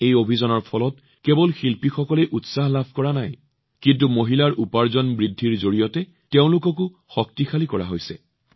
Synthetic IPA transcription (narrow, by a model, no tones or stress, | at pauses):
ejobʱizɔnɔɹpʰɔlɔt̚ | kebɔlxilpixɔkɔlɛʔutsaɦlabʱkɔɹanaj | kint̬umoɦilaɹupaɹzɔnbɹidʱːiɹzoɹijɔtɛ | teʊ̃lʊkɔk̬ʊ | xɔk̚tixʰalikɔɹa̰ɦojsɛ̰